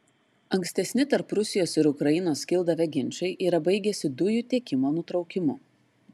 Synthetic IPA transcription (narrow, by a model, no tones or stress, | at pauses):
ɐŋksʲt̪ʲɛsʲnʲɪt̪ɐɾpɾʊsʲɪjoːsɪɾʊkɾɐjɪnoːskʲɪlˠd̪ɐʋʲɛɡʲɪnʲt͡ʃʲɐɪʔiːɾɐbɐɪɡʲɛsʲɪd̪ʊjut̪ʲiɛkʲɪmoːnʊt̪ɾɒʊkʲɪmʊ